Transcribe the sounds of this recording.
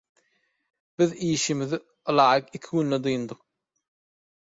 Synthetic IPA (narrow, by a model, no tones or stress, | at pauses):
b̥iðiːʃimiði | ɯlˠɑːjɯkikʲʰiɡynːed̪ujund̪ɯq